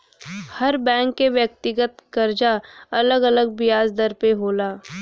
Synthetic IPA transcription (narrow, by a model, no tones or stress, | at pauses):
hɐɾbɛ̃ːŋkːeʋjək̚t̪ɪɡət̪kɐɾd͡ʒaɐləɡələɡ̚bɪjaːzd̪əɾpeɦoːlaː